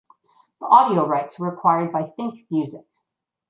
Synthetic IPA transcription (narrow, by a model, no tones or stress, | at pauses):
ðiʔɑɾioʊɹaɪtswə˞əkʰw̥aɪə˞d̚baɪθɪ̃ŋkmjʉzɪk